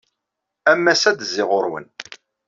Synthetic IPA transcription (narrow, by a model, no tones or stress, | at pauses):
æmːæsæd̪zːɪʁʊɾwə̰n